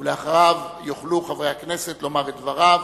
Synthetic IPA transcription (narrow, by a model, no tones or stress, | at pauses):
leaχʁavjoχluχavʁe̞jhakne̞set̪lo̞maʁetd̪vaʁav